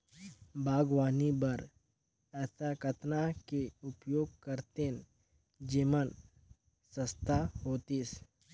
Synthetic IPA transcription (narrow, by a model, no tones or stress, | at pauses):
bʱaːɡwaːnibəɾ | ɛːsakət̪nakeʊpjoːɡ̚kəɾt̪en | d͡ʒiːmən | sə̃st̪ʰahoːt̪iːs